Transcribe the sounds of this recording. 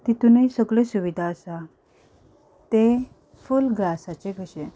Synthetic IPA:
t̪it̪unəisəɡɭesuʋid̪ʱaəsa | t̪e | fulɡlasat͡seɡʱəɕe

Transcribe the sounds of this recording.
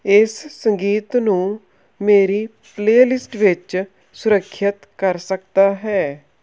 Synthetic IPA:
ɪssəŋɡiːt̪nũː | meːɾiː | pleːlɪsʈʋɪt͡ʃ | sʊɾəkʰːjət̪kəɾsəkd̪aːɦɛː

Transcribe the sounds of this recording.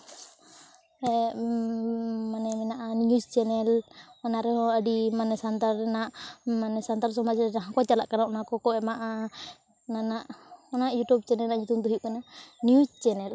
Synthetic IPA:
ɛ | manɛmɛnaʔanɲust͡ʃɛnɛlanaɾɛɦɔadimanɛsant̪arnaʔmanɛsant̪ars̬ɔmat͡ʃɛnaɦakat͡ʃalaʔkanaɔnakɔkɔɛmaʔa | nanaʔnajut̪ub̚t͡ʃɛnɛlnaɲut̪unt̪̬uɦiʔkananiust͡ʃɛnɛl

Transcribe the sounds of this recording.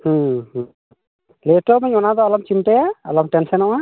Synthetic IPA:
hə̃h | leʈɔmɛɲɔnad̪ɔalɔmt͡ʃimʈɛjaa̰lɔmʈɛnsɛnɔʔa

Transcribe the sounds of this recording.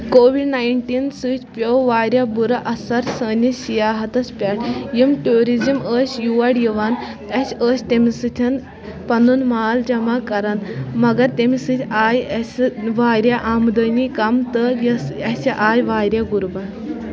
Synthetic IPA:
koːʋiɖnaːjɳʈiːnsɨt͡ʃʰʲpʲowʋaːɾʲjabuɾɐʔɐsɐɾsəːnisijaːɦɐt̪ɐspʲaʈjimʈuːɾiziməːsʲjuːʋɐɽjiʋaːn | ɐsəːsʲt̪emisɨt̪ʲʰɐn | pɐnunmaːld͡ʒɐmaːkɐɾɐnmɐɡɐɾt̪emisɨt̪ʰʲaːjɐsʋaːɾʲjaʔaːmd̪əniːkɐmt̪ɨjɐsɐsɐʔaːjʋaːɾjaɡuɾbɐ

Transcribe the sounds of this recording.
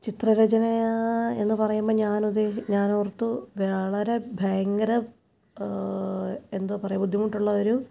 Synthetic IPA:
t͡ɕit̪rɐɾɐd͡ʑɐnɐjae̞nːɨpɐrɐjumboːɲaːnud̪eɲaːnurt̪ːuʋeɭɐɾe̞bʱɐjɐŋɡɐɾɐ | e̞nd̪oːpɐrɐjumbud̪ʱjimuʈːuɭːɐoɾu

